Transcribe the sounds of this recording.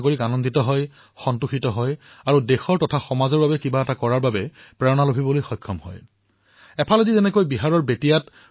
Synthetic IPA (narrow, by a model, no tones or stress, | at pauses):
ɡoɹikanɔnditɔɦɔj | xɔntuxitɔɦɔj | aɹudɛxɔɹtɔtʰaxɔmazɔɹbabɛkibaɛtakɔɹaɹbabɛpɹɛɹɔnalobʱibɔlojxɔjkʰːɔmɦɔ̰j | ɛpʰalodizɛnɛkojbiɦaɹɔɹbetijat